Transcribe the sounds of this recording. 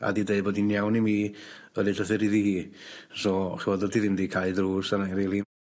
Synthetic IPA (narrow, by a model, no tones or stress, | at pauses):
a̰didejboːdinjawnimiːəlɪɬəθɛɾiðihiːsɔχɛwɔdɔldʰiðɪmdikʰajdruːsanaɾilˠi